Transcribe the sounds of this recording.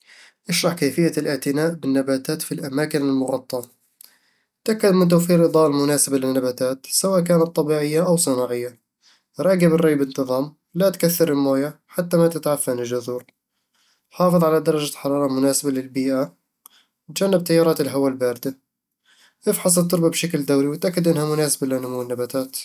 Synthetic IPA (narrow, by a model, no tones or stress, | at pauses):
ʔaʃɾˤɑħkaːfɪjːalʔɪʕt̪ɪnaːʔbɪnːabaːt̪aːt̪filʔamaːkɪnɪlmʊɣɑt̪ˤːɑ | t̪ʔakːad̪mɪnt̪̬owfiːɾʔɨd̪ˤɑːlmʊnaːsɪbalɪnːabaːt̪aːt̪sawaːʔk̬aːnat̪ˤːɑbiːʕɪjːaʔawsˤɨnɑːʕɪjːa | ɾˤɑːɡɪbɪrˤːɑːbɪnt̪ɨðˤɑːm | lat̪kaθːɪɾˤɪlmoːjaħat̪ːamat̪ɪt̪ʕafːanɪd͡ʒʊðuːɾ | ħɑːfɨðˤʕalad̪ɑɾˤɑd͡ʒaħɑɾˤɑːɾˤɑmʊnaːsɪbalɪlbiːʔa | t̪d͡ʒanːɪb̚t̪ajːɑːɾˤɑːt̪ɪlɦawalbaːɾɪd̪a | ʔɪfħɑsˤɨlt̪ːʊɾbabʃakld̪awɾiwɪt̪ʔakːad̪ʔɪnhamʊnaːsabalɪnːʊmuːɪnːabat̪aːt̪